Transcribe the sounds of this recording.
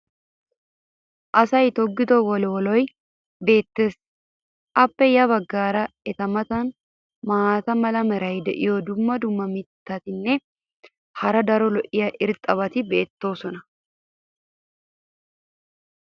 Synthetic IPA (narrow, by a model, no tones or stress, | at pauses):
ʔɐsɐjt̪ɔɡːɪt̪ɔwɔlwɔlɔj | be̞ːt̪ːes | ʔɐpːɛjɐβɐɡːaːɾɐɛt̪ɐmɐt̪ɐn | maːt̪ɐmɐlɐmɐɾɐjd̪ɛ̰joːd̪ʊmːɐd̪ʊmːɐmɪt̪ːɐt̪ɪnːɛ | hɐɾɐd̪ɐɾɔlɔʔɪjɐʔɪɾt̪ʼɐβɐt̪ɪbe̞ːt̪ːo̞ːsɔnɐ